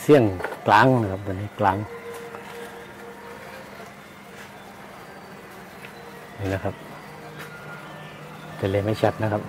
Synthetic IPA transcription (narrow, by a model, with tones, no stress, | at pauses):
si˧˥˩əŋklaː˨˦ŋna˧kʰa˧p̚d̪a˧˨niː˧˩klaː˨˦ŋ | niː˧˩˨na˧kʰa˦p̚ | t̪a˧˨le˧˩˨ma˧˥˨t͡ɕʰa˧˩t̪̚na˦˧kʰa˦˥p̚